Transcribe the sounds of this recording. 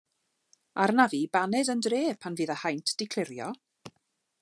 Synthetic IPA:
arnavibanɛdəndreːpʰanviːðəhajntʰd̥ɪkʰl̥ˠɪɾjɔ

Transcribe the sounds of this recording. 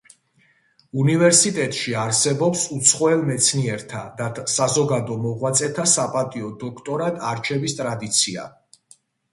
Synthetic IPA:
univɛɾsit̪ʼɛt̪ʼʃiaɾsɛbɔpsut̪sʰχɔɛlmɛt̪sʰniɛɾt̪ʰad̪at̪ʰsazɔɡad̪ɔmɔʁwat̪sʼɛt̪ʰasapʼat̪ʼiɔd̪ɔkʰt̪ʼɔɾad̪ʼaɾt͡ʃʰɛvist̪ʼɾad̪it̪sʰia̰

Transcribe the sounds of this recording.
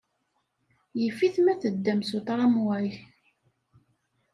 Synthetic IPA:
jəfːiθmæθəd̪ːæmsut̪ˤɾˤɑmwæj

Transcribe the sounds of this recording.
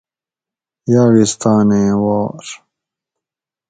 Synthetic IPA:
jaːɣist̪aːnẽːwaːɾ

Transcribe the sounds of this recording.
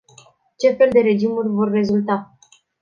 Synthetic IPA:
t͡ʃe̞fe̞ld̪e̞ɾe̞d͡ʒimurʲvo̞rːe̞zult̪a

